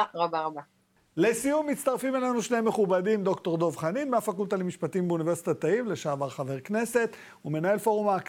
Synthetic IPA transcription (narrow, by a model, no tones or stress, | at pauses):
ʁabaʁaba | lesijumːit̪t͡st̪aʁfimelanuʃnemeχubadimd̪o̞kt̪o̞ʁd̪o̞vχaninmeafakult̪alemiʃpatiimbeunive̞sit̪at̪aimle̞ʃaːvaʁχave̞ʁ̞kne̞se̞t̪ | ume̞nae̞lfo̞ʁumak